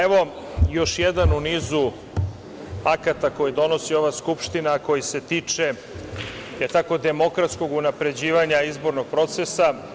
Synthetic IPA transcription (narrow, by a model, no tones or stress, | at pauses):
eʋo̞ | jo̞ʃjed̪anuniːzu | akat̪ako̞jid̪o̞no̞sio̞ʋaːskupʃt̪inako̞jise̞t̪iːt͡ʃe | et̪ako̞d̪e̞mo̞kɾat̪sko̞ɡunapɾe̞d͡ʑiːʋaɲaizbo̞ɾnoɡ̥̚pɾo̞t̪sesa